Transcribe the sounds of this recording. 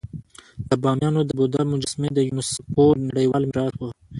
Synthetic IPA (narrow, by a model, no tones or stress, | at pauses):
d̪̥əbɑmjɑnod̪əbod̪amʊd͡ʒasmed̪əjunəspoɾnaɽəjwɑlmɪɾɑt̪wə